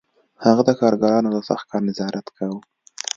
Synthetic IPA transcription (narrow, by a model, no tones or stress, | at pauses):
haɣad̪əkɑɾɡɑɾɑnod̪əsaxkɑɾnɪzɑɾʔat̪kʰaw